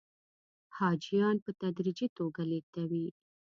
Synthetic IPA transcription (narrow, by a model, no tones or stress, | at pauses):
hɑd͡ʒijɑnpət̪ad̪ɾid͡ʒit̪oɡalet̪awi